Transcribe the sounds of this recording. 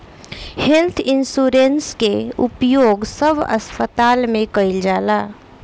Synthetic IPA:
hɛlt̪ʰinsuɾenskeupjoːɡsəbʱə̰spət̪almẽkəɪld͡ʒaːla

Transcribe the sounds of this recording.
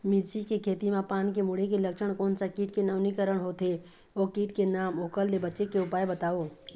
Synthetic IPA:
miɾsikekʰeːt̪imãpaːnkemʊɽ̤ekeləkʃʰəɽ̃koːnsakiːʈkenəʋnikəɾəɽ̃ɦot̪ɦe | oːkiːʈkenaːmoːkəlːebətːʃekeʊpaːebət̪aːoː

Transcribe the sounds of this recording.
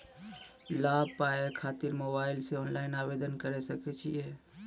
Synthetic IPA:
laːb̚paekʰaːt̪ɪɾmobaːɪlseɔːnlaːɪnabed̪ənkəɾesəkɛt͡ʃʰie

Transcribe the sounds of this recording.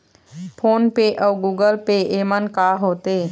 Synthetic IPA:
pʰoːnpeʔɔːɡuːɡəlpeeːmənkaːɦoːt̪eː

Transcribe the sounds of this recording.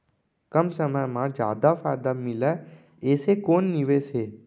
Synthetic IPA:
kəmsəməjmãd͡ʒja̰ːd̪afaːjd̪amɪla | eːsekoːnːiʋeseː

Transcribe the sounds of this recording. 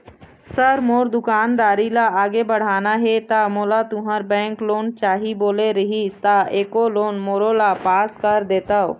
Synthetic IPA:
səɾmoːɾd̪ʊkaːnɾaːɾilaaːɡebəɽ̤aːnaɦɛt̪amoːlat̪ʊɦəɾbɛ̃ːŋkloːnt͡ʃaːɦiboːleɾəɦist̪aeːkoloːnmoːɾolapaːskəɾd̪eːt̪aɦo̰

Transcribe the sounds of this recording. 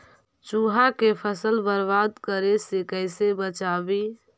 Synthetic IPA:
t͡ʃuɦakepʰəsəlbəɾbad̪kəɾesekəɪsebət͡ʃaːbi

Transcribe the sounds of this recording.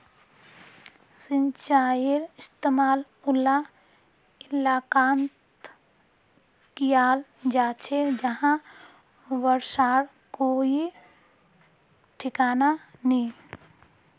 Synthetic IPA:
sint͡ʃaːiɾɪst̪emaːl | ʊla | ɪlaːkaːnt̪ | kijaːld͡ʒaːt͡ʃʰed͡ʒəɦã | ʋəɾʃaːɾ | koi | ʈʰɪkaːnanĩ

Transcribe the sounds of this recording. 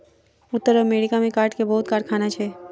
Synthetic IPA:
ʊt̪ːəɾəmeːɽikamẽkaːɾʈkebɐɦʊt̪̚kaːɾʈ̚kʰaːnat͡ʃʰɛː

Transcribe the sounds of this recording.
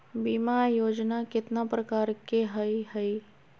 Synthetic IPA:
bimajoːd͡ʒnakɪt̪napɾəkaːɾkeɦəiɦəj

